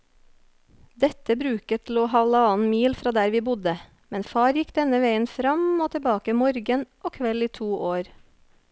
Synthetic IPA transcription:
d̪ɛt̪əbɾʉːkət̪ʰl̩oːhɑʋlɑnmiːlfɾɑːd̪æːɾʋiːbʊd̪ə | mɛnfɑːɾjɪkd̪ɛnəʋeɪənfɾɑmoːt̪ʰəbɑːkəmɔɾɡənʔoːkʰʋɛliːt̪ʰuːʔoːɾ

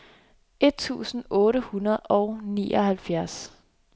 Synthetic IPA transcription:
e̝d̥̚t͡sʰṵːsn̩ɔ̽ːɾəhunɐð̞̩ˠɒʊnḭːʔɒhælfjæɐs

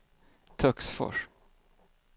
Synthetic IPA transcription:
t̪ʰœksfɔ̰ʂ

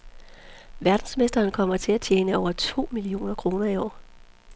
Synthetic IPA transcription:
ʋæɐd̥n̩sme̝sd̥ɐːnkʰɒ̽m̰ɐt͡sʰe̝læt͡ɕʰjeːnəɒʊɐt͡sʰo̝̰ːmilio̝̰ːnɐkʰʁo̝ːnɐiɒ̰ː

